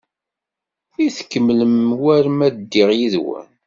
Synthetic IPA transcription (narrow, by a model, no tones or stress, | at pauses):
iθə̥kːəmːləmwæɾmæd̪ːiʁjiðwæ̰n